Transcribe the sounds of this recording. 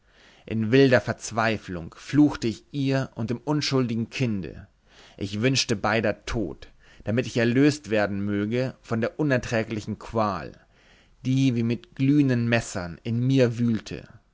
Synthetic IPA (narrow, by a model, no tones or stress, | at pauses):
ʔɪnvɪldɐfɛɐt͡sv̥aɪflʊŋfluːxtəɪçʔiːɐʔʊnt̚d̥eːmʔʊnʃʊldɪɡŋ̩kʰɪndə̰ | ʔɪçv̥ʏnʃtəbaɪdɐtʰo̰ːt | d̥amɪtɪçɛɐløːstv̥eːɐdn̩møːɡəfɔndeːɐʔʊnɛɐtʁ̥ɛːklɪçn̩kʰv̥aːl | d̥iːviːmɪtɡ̥lyːnənmɛsɐnɪnmiːɐvyːltʰə̰